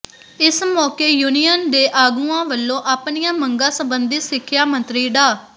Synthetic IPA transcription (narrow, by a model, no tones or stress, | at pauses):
ɪsmɔːkeːjuːnijənd̪eːʔaːɡũːãːʋəlːõːʔaːpnijãːməŋɡãːsəbənd̪iːsɪkʰːjaːmə̃nt̪ɾiːɖaː